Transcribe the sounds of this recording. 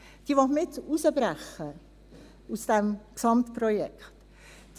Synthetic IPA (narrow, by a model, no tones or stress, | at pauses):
d̥iːʋɑχmɪtusəbɾæχə | usd̥ɛmksɑmtpɾɔjɛkχt